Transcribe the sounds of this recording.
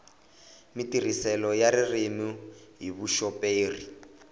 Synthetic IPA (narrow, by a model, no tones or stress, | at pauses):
mitir̤isɛlɔjaɾirimuɦiβuʃɔpeːri